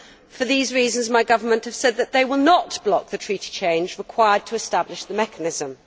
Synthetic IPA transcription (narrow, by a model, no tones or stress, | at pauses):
fəðiːzɹiːzə̃nzmaɪɡʌvəmə̃nʔhəv̥sɛd̪̚ðəʔðeɪwɪlˠnəʔb̥lɒk̚ðɨtʰɹ̥iˑti̥t͡ʃʰẽɪ̃nd͡ʒɹɪkʰw̥aɪəd̚tʰəːstablɪʃðəmɛkənɪzə̃m